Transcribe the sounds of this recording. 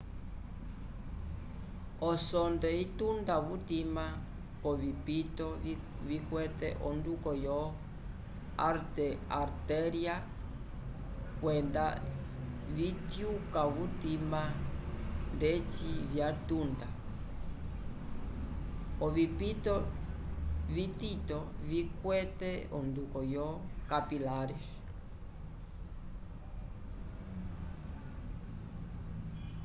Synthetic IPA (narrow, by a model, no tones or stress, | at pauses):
ɔsɔndɛitundaβutima | kɔvipitɔ | vikwɛtɛ̰ʔɔndukɔjɔ | aɾtɛaɾtɛɾia | kwɛnda | vitjukaβutima | ndet͡ʃiβjatunda | oβipitɔ | βit̪it̪ɔvikwɛt̪ɛɔnd̪ukɔjɔkapilaɾes